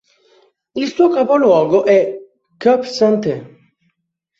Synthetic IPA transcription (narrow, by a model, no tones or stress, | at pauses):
ilsuːokapolwɔːɡoʔɛ | kːœpsant̪e